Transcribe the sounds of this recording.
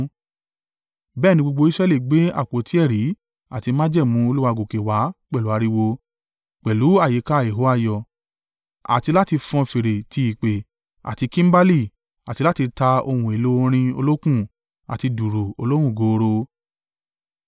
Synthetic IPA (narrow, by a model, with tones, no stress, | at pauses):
bɛː˦˨nĩ˧ɡ͡bo˧ɡ͡bo˧˦i˦sɾɛ˦li˦˨ɡ͡be˨˦a̰˦˨k͡po˨ti˨˦ɛ˦˨ɾi˨˦ | a˨ti˧mã˦d͡ʒɛ˦˨mũ˨˦o˧lu˦wa˧˨ɡo˨ke˨wa˨˦k͡pɛ˦˨lu˨˦a˨˧ɾi˧wo˧ | k͡pɛ˨lu˨˦a˦˨je˨˦ka˦˨je˨ɦo˦a˦˧˨jɔ˨ | a̰˨ti˧la˦ti˧fɔ̃˧fi˨ɾe˨ti˧i˨k͡pe˨ | a̰˨ti˧kĩ˦m̩˦ba˦li˦˨ | a˨ti˧la˦ti˧ta˧o˧wũ˧˨e˨lo˦˧ɾ̃ĩ˧o˧lo˦kũ˦˨ | a̰˨ti˧du˨ɾu˨o˧lo˦hũ˦˨ɡo˨˧ɾo˧